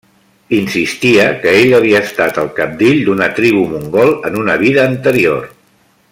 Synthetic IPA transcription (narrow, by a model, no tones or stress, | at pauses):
insist̪iəkəeʎəβ̞iəːst̪at̪əlˠkəp̚d̪eʎd̪unət̪ɾiβumuŋɡɔlˠənunəβ̞iðəːnt̪əɾior